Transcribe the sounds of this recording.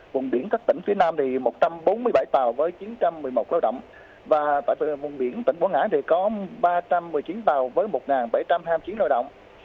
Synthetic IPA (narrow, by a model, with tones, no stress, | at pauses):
vʊ˨˩nɓi˧˩ənkaː˦˥t̪ï˧˩ŋ̟fi˨˦ənaː˧mt̪ʰi˨˩mo˨˩t̚t͡ɕa˧mɓo˨˦nmɨ˧əjɓa˧˩jt̪aː˨˩wvəː˨˦jt͡ɕi˨˦nt͡ɕa˧mːɨ˨˩əjmo˨˩t̚laː˧wɗə̰˧˨wŋ͡m | vaː˨˩t̪a̰ː˧˨jvi˧˨˩vʊ˨˩nɓi˧˩ənt̪ï˧˩ŋkɓu˧˩ŋaː˧˥t̪ʰi˨˩kɔ˨˦ɓaː˧t͡ɕa˧mːɨ˨˩əjt͡ɕi˨˦nt̪aː˨˩wvəː˨˦jmo˨˩t̚ŋaː˨˩nɓa˧˩jt͡ɕa˧mɦaː˧jmt͡ɕi˨˦nlə˧wɗə̰˧˨wŋ͡mʔ